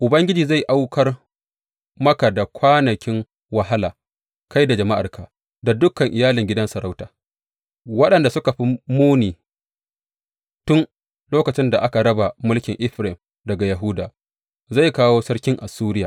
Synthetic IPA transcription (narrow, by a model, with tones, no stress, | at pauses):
ʔʊ˨bɐ˦ŋɡʲɪ˦d͡ʒiː˨za˦˨jʔa˦wkʰɐ˦r | mɐ˦ka˨da˨kʷaː˦nɐ˨kʲɪ˦ŋ | wɐ˦ɦa˦laː˨ | ka˦jda˨d͡ʒɐ˨ma˦ʔa˨rkʰaː˨ | da˨dʊ˦kːɐ˨ŋʔɪ˨jaː˦lɪ˨ŋɡʲɪ˦dɐ˦nsɐ˨ɾa˦wtaː˨ | wɐ˦ɗɐ˨nda˨sʊ˦ka˨ɸi˦muː˦niː˨ | tʊ˦n | loː˦kɐ˨t͡ʃɪ˦nda˨ʔa˦ka˨ɾɐ˦ba˨mʊ˦lkʲɪ˨ŋʔɪ˦ɸɾɪ˨m | dɐ˨ɡa˨jɐ˨ɦʊ˦daː˨ | za˦˨jkaː˦woː˦sɐ˦ɽkʲɪ˦ŋʔa˨suː˦ɾɪ˦jaː˨